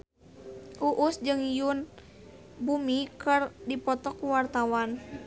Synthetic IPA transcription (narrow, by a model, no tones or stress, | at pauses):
ʔuʔusd͡ʒɨŋjun | bumikɨrdipɔt̪ɔkuwart̪awan